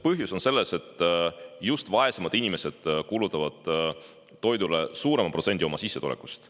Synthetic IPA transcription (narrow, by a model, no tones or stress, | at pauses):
pɤɦjuso̞nse̞lːese̞t̪ːˑjust̪vɑe̞semɑd̪̥inʲime̞se̞d̪̥kulut̪ˑːɑvɑd̪̥ː | o̞jd̪ule̞suːɾe̞mɑprosenʲd̪ʲio̞mɑsisːet̪ṵleku̥st̪